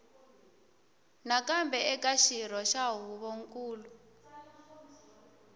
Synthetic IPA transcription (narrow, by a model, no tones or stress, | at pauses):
nakambɛɛkʼaʃiɾɔʃaɦuβoŋ̩kʼuːlu